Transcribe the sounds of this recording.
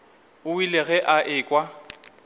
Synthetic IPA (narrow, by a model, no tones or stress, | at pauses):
ʊwileɣɛʔaʔɪːkʼwa